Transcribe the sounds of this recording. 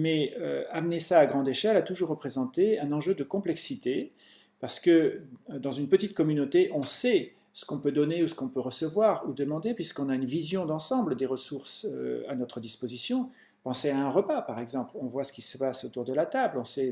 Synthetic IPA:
mɛøamnesaːɡʁɑ̃d̪eʃɛlat̪uʒuʁːəpχezɑ̃t̪eɛ̃nɑ̃ʒød̪əkɔ̃plɛksit̪e | paʁsə̥kəd̪ɑ̃zynpət̪it̪kɔmynot̪eʔɔ̃sɛ | sə̥kɔ̃pød̪ɔneusə̥kɔ̃pøʁəsəvwaʁud̪əmɑ̃d̪epɥiskɔ̃naynvizjɔ̃d̪ɑ̃sɑ̃bləd̪eʁəsuʁsa̰nɔt̪χəd̪ispozisjɔ̃ | pɑ̃seaɛ̃ʁəpapaʁɛɡzɑ̃plɔ̃vwasə̥kʲisəpasot̪uʁd̪əlat̪ablɔ̃sɛ

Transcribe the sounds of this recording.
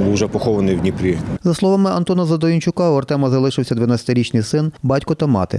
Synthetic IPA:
ʒɛpɔxɔʋɐnɪjwnʲipɾʲizɐslˠɔʋamɪɐnt̪ɔnɐzɐd̪ɔjinʲt͡ʃʊkɑɔrt̪ɛmɐzɐlˠɪʃɪwsʲɐd̪ʋɐnatʲt͡sʲɐ̥t̪ɪɾʲit͡ʃnʲɪjsɪnbɑtʲkɔt̪ɐmɑ̰t̪ɪ̰

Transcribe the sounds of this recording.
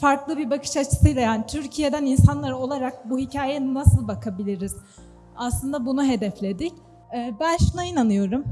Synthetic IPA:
faɾklˠɯbibakʰɯ̥ʃat͡ʃʰɯ̥sɯjlˠajaːnit̪ʰyɾcʰije̞d̪æninsanlˠaɾo̞lˠaɾak̚buhicʰaːjɛnasɯlˠbakʰabilʲiɾiz̥ | aslˠɯnd̪abunuɦe̞d̪ɛflʲe̞d̪ic | ɛːbænʃunainanɯjo̞ɾum

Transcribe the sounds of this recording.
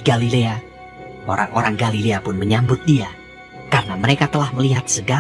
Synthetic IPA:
ɡalilea | ʔo̰ɾaŋʔoɾaŋɡalileapʊnməɲambʊt̪̚dia | karənaməɾekat̪əlahməliɦat̪̚səɡa

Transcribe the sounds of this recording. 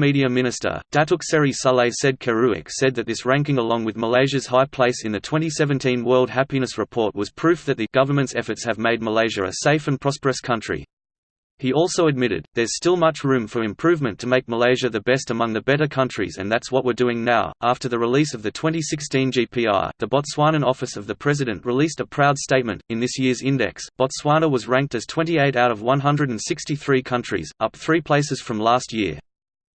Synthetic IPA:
miɾiɨmɪ̃ñɨstə̰˞d̥æɾʊksɛɹisɑlˠeɪsɛd̚kʰəɹʉɪ̰ksɛd̪̚ðɨt̪̚ðɪsɹæ̃ŋkɪ̃ŋəlɔ̃ŋwɨðməleɪʒɨz̥haɪpʰl̥eɪsɨ̃nðɨtʰw̥ɛ̃ñisɛṽntʰĩnwɜ˞lˠd̚ɦæpinɨsɹɨpʰɔɹt̚wʌz̥pʰɹ̥ʉfðɨt̪̚ðɨɡ̥ʌvə˞mɨ̃ntsɛfə˞tshɨvmeɪd̚məleɪʒɨ̰˞ɨ̰seɪfɨ̃npʰɹ̥ɑspə˞ɨskʰʌ̃nt͡ʃɹ̥ḭ | iɔlˠsoʊɨd̚mɪɾɨ̰d̪̚ðə˞z̥stɪlˠmʌt͡ʃɹʉ̃ɱfə˞ɨ̃mpʰɹ̥ʉvmɨ̃ntʰɨmeɪk̚məleɪʒɨðɨbɛstɨmʌ̃ŋðɨbɛɾə˞kʰʌ̃nt͡ʃɹ̥ḭzɨ̰̃nðætswʌʔ̚wə˞dʉɪ̃ŋnaʊʔæftə˞ðɨɹɨlisʌvðɨtʰw̥ɛ̃ntisɪkstĩnd͡ʒipʰiɑ̰ɹðɨbɑtswɑñɨ̃nɔfɨsʌvðɨpʰɹ̥ɛzɨɾɨ̃nʔɹɨlistəpʰɹ̥aʊd̥steɪt̚mɨ̰̃ntɨ̃nðɪsjɪɹzɪ̃ndɛ̰ksb̥ɑtswɑnəwʌzɹæ̃ŋk̚tɨz̥tʰw̥ɛ̃ntieɪɾaʊɾʌvwʌ̃nɦʌ̃ndɹɨɾɨ̃n̩sɪkstiθɹikʰʌ̃nt͡ʃɹ̥ḭzʔʌp̚θɹipʰl̥eɪsɨz̥fɹʌ̃mlæst̚jɪ̰ɹ

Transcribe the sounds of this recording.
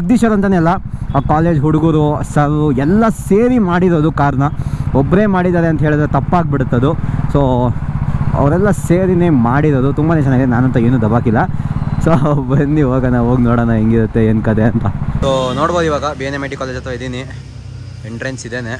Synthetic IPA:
ɐɡ̚d̪iːʃɐɾɐnt̪̬ɐːneɐlːɐaːkaːle̞ːd͡ʒɦuɽuɡuɾuɐsɐɾɾuɛlːɐseːɾimaːɽiɾo̞ːd̪ukaːɾɐnɐɔbːɾe̞ːmaːɽid̪aːɾeɐnt̪ɐɦeɭid̪ɾet̪ɐpːaːɡ̚biɽut̪ːɐd̪usoː | ɐ̰ʋɐɾɛlːɐseːɾinemaːɽiɾoːd̪ut̪umbaːnet͡ʃɛnːaːɡid̪ɛnaːnɐnt̪ɐeːnud̪ɐbaːkilːɐsoːbɐnːiʋaːɡɐnaʋoːɡnoːɽɐnɐɦeŋɡiɾut̪ːe̞enkɐd̪eɐnt̪ɐsoːnoːɽboːd̪iʋaːɡɐbienemeʈikaːled͡ʒɐt̪ʰʋaid̪ini | eɳʈɾensid̪eːne

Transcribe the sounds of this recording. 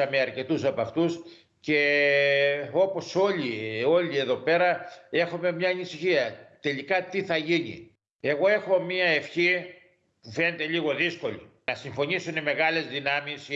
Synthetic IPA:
ɐmeɐɾce̞t̪usɐpɐft̪us | ce̞ | o̞po̞so̞lio̞lie̞ðo̞pe̞ɾɐe̞xome̞mɲɐːnisiçiɐt̪e̞likɐt̪iθɐʝinḭ | e̞ɣo̞e̞xo̞mɲiɐe̞fçi | pufe̞net̪e̞ʎiɣo̞ðisko̞linɐsiɱfo̞ɲisuneme̞ɣɐle̞zðinɐmis

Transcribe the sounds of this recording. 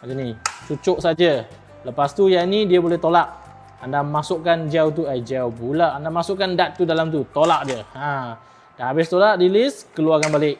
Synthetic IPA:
ad͡ʒanit͡ʃut͡ʃʊʔsad͡ʒa | ləpast̪ujainidiabolɛht̪olaʔ | andamasʊʔkand͡ʒawt̪̬uad͡ʒawbulaʔandamasʊʔkandat̪̚ːudalamt̪ut̪olaʔ̚diəhã | dahabɪst̪olaʔdilɪskəluaɡanbalɪʔ̚

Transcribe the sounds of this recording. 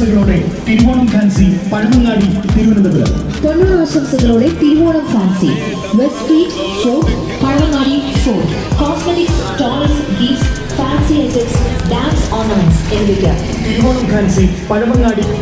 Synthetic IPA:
ɐɣɐɭoːɽet̪iɾuʋoːɳɐmkʰaːnsipɐɻɐʋɐŋɡaːɽit̪iɾuʋɐnɐnːɐðɐlːɐ̰ | ponːuːɾɨʋɐsɐmsɐɣɐɭoːɽet̪iɾuʋoːɳɐmfaːnsḭ | ʋesfiːʈ | soːʈ | pɐɻɐʋɐŋːaːɽisoːʈ | koːsmeʈɪksʈaːlɐsɡiːʈs | faːnsiɐlʈeksɖaːnsɔːrnɐmɐnʈsenʋikʲːɐ | t̪iɾuʋoːɳɐmkʰaːnsi | pɐɻɐʋɐŋːaːɽi

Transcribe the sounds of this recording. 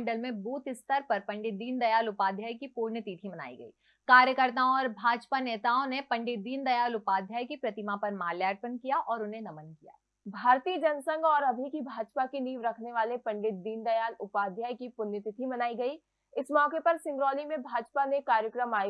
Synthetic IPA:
ɳɖəlmẽbuːt̪ɪst̪əɾpɐɾpɐ̃ɳɖɪt̪̚d̪iːnd̪ɐjaːlʊpaːd̪ʱjaːjkipuːɾnjət̪it̪ʰimɐna̰ːḭɡɐ̰ḭː | kaːɾjəkəɾt̪aːõɔːɾbʱaːd͡ʒpaneːt̪aːõnepɐ̃ɳɖɪt̪̚d̪iːnd̪ɐjaːlʊpaːd̪ʱjaːjkipɾɐt̪ɪmapɐɾmaːljaːʈ̚pənkijaʔɔːɾʊnɦenɐmənkija̰ː | bʱaːɾt̪iːəd͡ʒɐnsə̃ŋɡɔːɾɐbʱikibʱaːd͡ʒpakiniːʋɾɐkʰneʋaːlepɐ̃ɳɖɪt̪̚d̪iːnd̪ɐjaːlʊpaːd̪ʱjaːjkipʊɾnjət̪it̪ʰimɐnaːiɡɐi | ɪsmɔːkepɐɾsɪ̃ŋɡɾɔːlimẽbʱaːd͡ʒpanekaːɾjəkɾəmaːj

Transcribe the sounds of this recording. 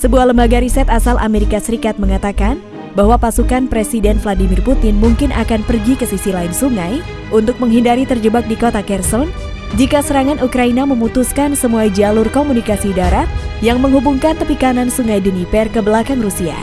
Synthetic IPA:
səbuahləmbaɡaɾisɛt̪asalʔa̰meɾikasəɾikat̪̚məŋat̪akan | baɦwapasukanpɾesidɛnfladimɪrput̪ɪnmuŋkɪnʔa̰kanpərɡikəsisilaɪinsuŋaj | ʔunt̪ʊk̚məŋɦindaɾit̪ərd͡ʒəbak̚dikot̪akɛrsɔn | d͡ʒikasəɾaŋanukɾainaməmut̪uskansəmuad͡ʒalʊrkomunikasidaɾat̪̚jaŋməŋɦhubuŋkant̪əpikanansuŋajdənipɛrkəbəlakanrusia̰

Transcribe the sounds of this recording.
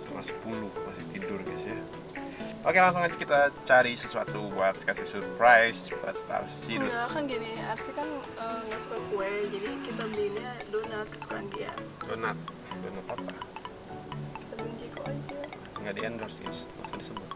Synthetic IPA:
sumasə̥pulʊhmasit̪idʊrɡasja | pakɛmas̬aŋad͡ʒkit̪at͡ʃaɾisəsuat̪uat̪kasɪsurpɾajsba̰t̪a̰rssiduakanɡinɪarsikan | əŋɡaʔsu̥kakuɛd͡ʒadikit̪abədiɲadonasə̥su̥kaandia̰donat̪̚ | donat̪apa | ki̥t̪abəɲd͡ʒikoʔad͡ʒa | ŋɡaʔdiɛndərsḭnsma̰sadisəbʊt̪̚

